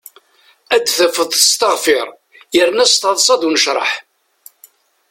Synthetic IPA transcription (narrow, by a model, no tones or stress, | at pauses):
æd̪θəfəðˤθə̥st̪əʁfɪɾˤ | jəɾənæst̪ɑðˤsˤɑd̪unəʃɾˤə̰ħ